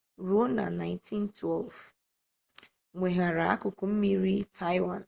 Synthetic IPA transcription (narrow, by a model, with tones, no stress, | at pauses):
ɾu˦o˦na̰˨na˨ɪ̃nti˦ntwɛ˦˨lv | ŋʷe˨ɦa˨ɾa˨a˦kʊ˨kʊ˦m̩˦mi˦ɾi˦tʰa˦ɪ˦wã˨n